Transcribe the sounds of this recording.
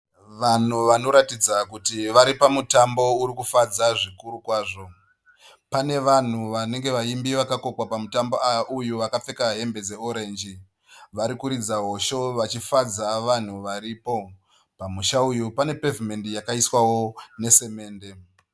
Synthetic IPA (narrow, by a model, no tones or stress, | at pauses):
ʋan̤uʋano̞ɾatid͡zakutiʋaɾipamutambo̞uɾikufad͡zaʐikuɾukwaːʐo̞ | pane̞ʋan̤uʋane̞ŋɡe̞ʋaimbiʋakako̞kwapamutambo̞aujuʋakap͡fe̞kaɦe̞mbe̞d͡ze̞oɾe̞ːnd͡ʒi | ʋaɾikuɾid͡zaɦo̞ʃo̞ʋat͡ʃifad͡zaʋan̤uʋaɾiːpo̞ | pamuʃaujupane̞pe̞vime̞ndijakaiswawo̞ne̞se̞me̞ːnde̞